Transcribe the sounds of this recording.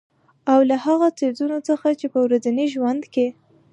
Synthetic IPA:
awlahaɣat͡sezunot͡səxat͡ʃepəwɾazaniʒwand̪ke

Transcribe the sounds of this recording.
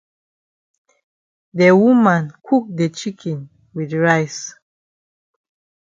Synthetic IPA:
dəwumãnkʰuk̚dɛt͡ʃikʰɛ̃n | widɹaɪs

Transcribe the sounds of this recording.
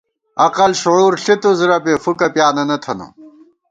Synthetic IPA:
ɐqɐlɕuʕuːɾɬit̪uziɾɐpeːfukɐpjaːnɐnɐt̪ʰɐnṵ

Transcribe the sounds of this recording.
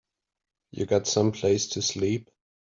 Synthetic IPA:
jɨ̰ɡɑtsʌ̃mpʰl̥eɪstʰɨslip̚

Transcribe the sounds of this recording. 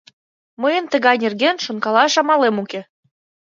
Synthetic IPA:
məjənt̪əɣɑjnʲerɣenʃonkɑlɑʃɑmɑlemuke

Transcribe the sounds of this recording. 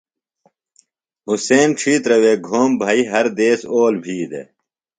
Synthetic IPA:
ɦuseːnʈ͡ʂʰiːt̪ɾɐweːɡʱoːmbʱaːiɦɐɾd̪eːsoːlbʱiːd̪ḛ

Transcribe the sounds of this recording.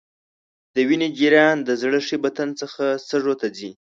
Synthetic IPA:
d̪̥əwined͡ʒiɾjɑnd̪əzɽəʂibat̪ənt͡səxast̪əʐot̪ad͡zi

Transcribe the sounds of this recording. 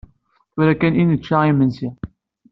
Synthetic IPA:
ʊɾækænʔinət͡ʃːaimənsi

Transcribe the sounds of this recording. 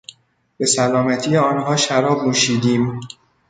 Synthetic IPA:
b̥e̞sælɒːmæt̪ʰiːjeɒːnɦhɒːʃæɾɒːbmuːʃiːd̪iːm

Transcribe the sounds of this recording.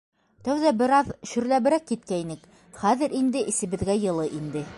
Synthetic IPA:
t̪æwðæbɘ̆ɾɑðɕɵ̆ɾlæβɘ̆ɾækːit̪̚kæinɘk | χæðɘ̆ɾind̪ɘʔisɘ̆βɘ̆ðɡæjɤ̆lˠɤʔind̪ɘ

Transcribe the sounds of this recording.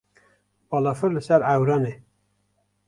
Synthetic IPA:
bɑːlɑfɨɾlɨsæɾæwɾɑne

